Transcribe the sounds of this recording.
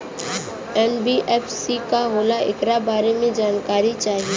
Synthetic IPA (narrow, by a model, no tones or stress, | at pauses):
ɛnbiʔɛːfʰsikaɦoːlaʔɪ̰kɾabaːɾemẽd͡ʒaːnkaːɾit͡ʃaːɦieː